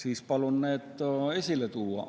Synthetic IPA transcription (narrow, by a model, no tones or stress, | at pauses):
siːspɑlunːeːt̪toesilːˑet̪uːɑ̰